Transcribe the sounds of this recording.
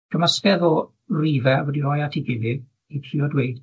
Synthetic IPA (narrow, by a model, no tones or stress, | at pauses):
kʰəməskɛðɔ | riːvɛwɛdiɔjatʰiɡɪlɪ | ipʰriɔdwejd̥